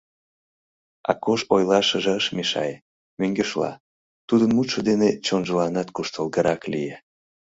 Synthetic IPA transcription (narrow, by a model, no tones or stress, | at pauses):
ɑ̰koʃojlɑʃəʒeəʃmeʃɑ̰je | møŋɡeʃlɑ̰ | t̪ud̪ənmut̪ʃŏd̪enet͡ɕonʒəlɑnɑt̪kuʃt̪əlɣəɾɑklije